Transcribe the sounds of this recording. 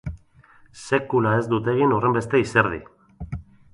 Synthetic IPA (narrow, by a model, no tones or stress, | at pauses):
se̞kulae̞zd̪ut̪e̞ɣino̞re̞mbe̞st̪e̞iseɾð̞ḭ